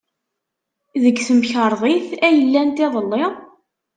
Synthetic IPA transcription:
ðəɡθəmçəɾˤðˤiθæjəlːænt̪ɪðˤəlːɪ

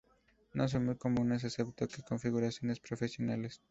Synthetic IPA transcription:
no̞s̬o̞nmujko̞mũnes̬asep̚t̪okeko̞ɱfiɣuɾasjo̞ne̞spɾo̞fesjo̞nale̞s

